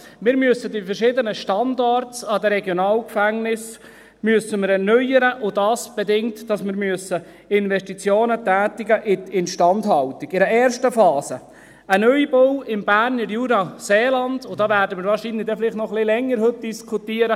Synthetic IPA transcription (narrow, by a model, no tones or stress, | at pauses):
mɪːɾmyəsədifəɾʃɪdənəʃtɑndɑɾtsɑd̪əɾɛɡjonɑːlkfæŋnɪs | myəsəmɪɾɛrnœjəɾəʔʊdɑːsb̥ɛdɪŋtdɑsmɪɾmyəsə | ɪnʋɛʃtit͡sjoːnətæːtɪɡəʔɪtɪnʃtɑndɦɑlt̪ɪɡɪɾəɛːrʃtəfɑːsə | ənœʏibowɪmb̥æɾnəɾjuːɾɑseːlɑnd̥̪ʊd̥ɑːʋæːɾdəmɪːɾʋɑːɾʃinlɪdɛfɪlɪχtnɔχlɪlɛŋːəɾhɵt̚d̥iskʰutiəɾə